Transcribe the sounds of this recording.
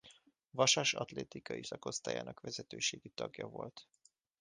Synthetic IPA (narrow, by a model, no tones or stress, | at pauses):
vɒʃaʃɒt̪leːt̪ikɒisɒko̞st̪aːja̰ːnɒkʋɛzɛt̪øːʃeːɡit̪ɒɡjɒvo̞lt̪